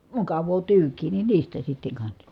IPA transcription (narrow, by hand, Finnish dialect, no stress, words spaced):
mukɑʋˑoː tyːkˑiː ni niːstæ sitːeŋ kɑnsɑ